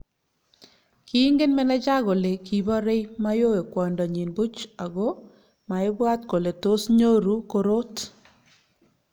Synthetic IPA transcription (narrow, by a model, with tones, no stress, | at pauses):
ki˦ŋɡe˦nmɛ˦nɛ˦t͡ʃa˦ɣo˨le˨ki˨bɔ˦ɾe˦jma˦jo˦e˨kwɔ˨ndɔ˨ɲi˨nbu˦t͡ʃa˨ɣo˦ | ma˨ɪ˦bwa˦t̚ko˨le˨to˦sɲo˦ɾu˦ko˦ɾo˦t